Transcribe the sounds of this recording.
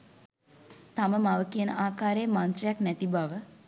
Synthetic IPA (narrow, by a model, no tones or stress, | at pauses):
t̪aməmaʋəkijənəʔaːkaːɾejəmant̪rejaknæt̪ibaʋə